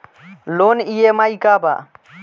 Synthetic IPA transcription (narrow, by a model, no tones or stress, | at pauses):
loːnijeːmaikaːba̰ː